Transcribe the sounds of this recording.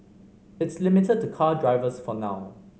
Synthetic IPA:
ɪtslimɪtəd̚tukʰadɹaɪvəsfɔnaʊ

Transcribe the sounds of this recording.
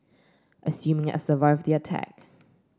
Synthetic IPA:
ʔəsjũmɪ̃ŋɛ̰səvaɪvdiətʰæ̰k

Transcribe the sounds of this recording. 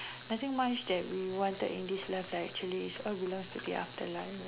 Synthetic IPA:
nat̪ɪ̃ŋmat͡ʃdɛt̚wiwɔ̃ntə̰tḭ̃ndislaflaɪɛ̰k̚t͡ʃuəliisɔlbilɔ̃ŋstudḭʔa̰ftəlãɪ̃n

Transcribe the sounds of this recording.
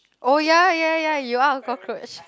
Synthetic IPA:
ʔojajajajuaɡɔkʰɹoɪt͡ʃ

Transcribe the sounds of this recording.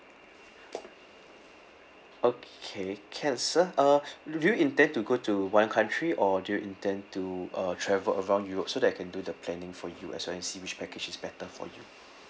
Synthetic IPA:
okʰekʰɛ̃nsəʌdujuĩntɛ̃ntuɡotuwãnkʰãntʰɹiʔɔdujuʔĩntɛ̃ntuʌtʰɹɛvələɹãʊ̃ndjuɹop̚sodɛtakʰɛ̃ndudəpʰlɛnɪ̃ŋfɔjṵʔɛ̰swɛlɛ̃nsiwɪt͡ʃpɛked͡ʒisbɛtəfɔ̰ju

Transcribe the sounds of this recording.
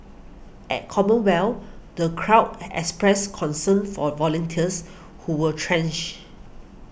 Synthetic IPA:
ʔɛ̰t̚kʰɔmə̃nwɛldəkʰɹaʊtɛ̰kspɹɛskʰɔ̃nsə̃nfɔvɔlə̃ntʰiəs | huwətʰɹɛ̃nt͡ʃ

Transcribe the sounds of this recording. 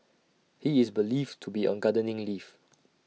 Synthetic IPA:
hiɪsbəliftʰubiɔ̰̃nɡadənɪ̃ŋlif

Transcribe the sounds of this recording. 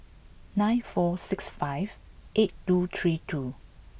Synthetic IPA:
nãjnfɔsɪksfaɪv̥ʔet̚tut̪ʰɹitʰu

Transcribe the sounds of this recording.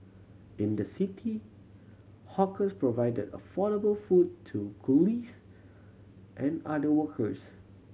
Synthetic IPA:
ɪ̃ndəsitʰi | hɔkəspɹovaɪdədə̰fɔɾəbəlfudtʰːuɡulis | ʔɛ̃nadəwəkʰəs

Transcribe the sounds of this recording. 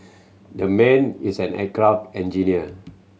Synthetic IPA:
dəmɛ̃nisɛ̃nɛ̰kɹabɛ̃nd͡ʒiniə

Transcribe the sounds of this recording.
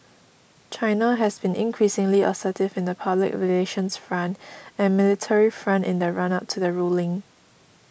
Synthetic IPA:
t͡ʃʰaɪnaɦɛsbĩnʔɪ̰̃nkʰɹisɪ̃ŋliə̰sətɪvɪ̃ndəpʰablɪ̰kɹileʃə̃nsfɹãndɛ̃nmɪlɪtʰɛɹifɹãntɪ̃ndəɹãnap̚tʰuðəɹulɪ̃ŋ

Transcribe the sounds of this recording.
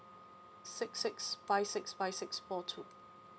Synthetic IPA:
sɪksɪksb̥aɪsɪksbaɪsɪksfɔtʰuː

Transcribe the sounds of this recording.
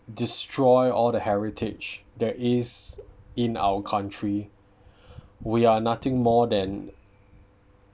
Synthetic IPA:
distʰɹɔjɔldəhɛɹitʰɪd͡ʒdɛtɪzɪ̃na̰wəkʰãntʰɹi | wianat̪ɪ̃ŋmɔdɛ̃n

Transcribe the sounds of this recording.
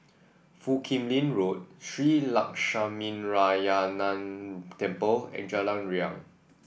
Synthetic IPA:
fukʰĩmlĩnɹot̚sɹilak̚ʃamĩnɹajanãntɛ̃mpəlɛ̰̃nd͡ʒalãnɹiã̰ŋ

